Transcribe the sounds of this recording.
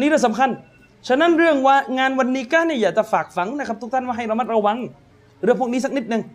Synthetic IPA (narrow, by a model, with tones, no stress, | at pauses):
niː˦˥ɾɯː˧˥˩sa˨˦mkʰa˧n | t͡ɕʰa˧˩na˦˥˨nɾɯ˥˩əŋwaː˧˩ŋaː˧nwa˧nːiː˦˥kaː˥˩ni˧˩jaː˨˩k̚t͡ɕa˨˩faː˨˩k̚fa˩˦ŋna˦˥kʰa˦˥t̪ʰu˦˥kt̪ʰa˥˩nwaː˧˩ɦa˧˩jɾa˧ma˦˥t̪̚ɾa˧wa˧˥ŋ | ɾɯ˧˩əpʰu˧˥˩kniː˦˥s̬a˧˥k̚ni˦˥t̪̚nɯ˧ŋ